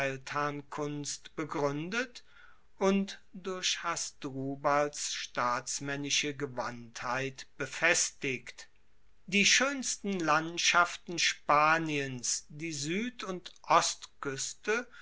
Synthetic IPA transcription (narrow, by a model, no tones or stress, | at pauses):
ɛltʰhankʰʊnstb̥əɡʁʏndət | ʔʊntd̥ʊɐɕhasdʁuːbalsʃtaːsmɛnɪʃəɡəvanthaɪtb̥əfɛstɪkt | d̥iːʃøːnstn̩lantʃaftn̩ʃpaːniənsd̥iːzyːtʊntʔɔstkʏstə